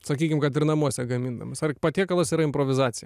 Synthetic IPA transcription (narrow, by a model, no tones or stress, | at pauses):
sɐkʲiːkʲɪmkɐt̪ɪɾnɐmuɔsʲɛɡɐmʲind̪ɐmɐsɐrpɐt̪ʲiɛkɐlˠɐsʲiːɾɐɪmpɾoːʋʲɪzɑːt̪ʲɪjɛ